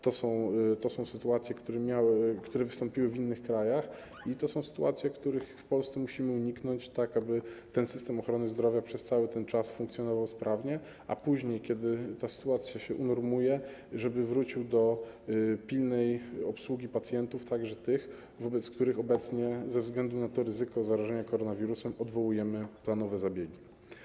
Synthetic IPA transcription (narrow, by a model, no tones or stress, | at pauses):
t̪ɔsɔ̃w̃t̪ɔsɔ̃w̃sɘt̪uat̪sʲjɛkt̪uɾɛmʲjawkt̪uɾɛvɘst̪ɔ̃mpʲiwɘvinːɘxkɾajax | it̪ɔsɔ̃w̃sɘ̥t̪ua̰t̪sʲjɛkt̪uɾɘxfpɔlst̪sɛmuɕimɘuɲiknɔɲt͡ɕt̪akabɘt̪ɛnsɘst̪ɛmɔxɾɔnɘzd̪ɾɔvʲjapʂɛst̪sawɘt̪ɛnt͡ʂasfuŋkt̪sʲjɔnɔvawspɾʔavɲɛ | ʔa̰puʑɲejkʲɛd̪ɘt̪asɘ̥t̪uat̪sʲjaɕɛʔunɔɾmujɛʐɛbɘvɾut͡ɕiwd̪ɔ | pʲilnɛjɔpswuɡʲipat̪sʲjɛnt̪uft̪aɡʐɛt̪ɘx | vɔbɛt̪sk̚t̪uɾɘxɔbɛt̪sɲɛzɛvzɡlɛnd̪unat̪ɔɾɘzɘkɔzaɾaʐɛɲakɔɾɔnavʲiɾusɛmɔd̪vɔwujɛmɘplanɔvɛzabʲjɛɡʲi